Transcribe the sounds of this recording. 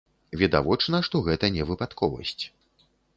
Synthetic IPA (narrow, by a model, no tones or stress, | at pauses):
vʲid̪a̰vɔt͡ʂnɐʂt̪ɔɣɛt̪ɐnʲɛvɨpat̪kʰɔvɐ̰sʲt͡sʲ